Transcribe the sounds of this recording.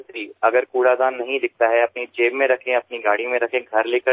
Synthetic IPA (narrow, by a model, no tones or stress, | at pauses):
t̪ɾiːɐɡəɾkuːɽaːd̪aːnːɐɦĩd̪ɪk̚ʰt̪aɦɛɐpnit͡ʃeːbmẽɾɐkʰẽɐpniɡaːɽimẽɾɐkʰẽɡʱɐɾleːkə